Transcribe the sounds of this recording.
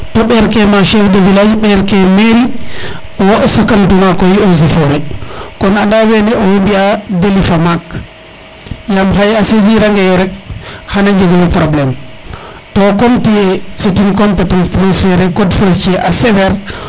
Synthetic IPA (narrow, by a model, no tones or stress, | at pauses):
tɔɓɛɾkɛmaʃɛfdɛvilajiɓɛɾkɛmeɾi | ɔwaʔɔsakːantumakɔjiozifɔɾɛkɔnanldawɛnɛɔwombiadelifamak | jamɦajaseziɾaŋɡɛjɔɾɛk̚hanaɲd͡ʒɛɡɔwɛpɾɔblɛm | tɔkomtiɛsetinkɔnpɛtanstɾansfɛɾɛkɔdfɔɾt͡ʃɛʔasɛfɛɾ